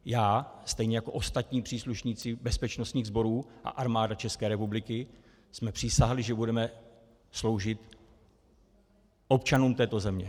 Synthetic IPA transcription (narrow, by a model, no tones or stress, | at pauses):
jaːst̪ɛjɲɛjako̞ʔo̞st̪at̪ɲiːpr̝̥iːsluʃɲiːt͡sɪbɛspɛt͡ʃnost̪ɲiːɣzbo̞ɾuːʔa̰ʔaɾmaːdat͡ʃɛskɛːɾɛpublɪkɪ | smɛpr̝̥ɪsaɦlɪʒɛbudɛmɛ | slo̞wʒɪt̪ | ʔo̞pt͡ʃanuːmt̪ɛːt̪o̞zɛmɲɛ̰